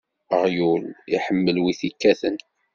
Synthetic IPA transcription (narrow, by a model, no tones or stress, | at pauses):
əʁjuliħəmːəlwiθikːæθən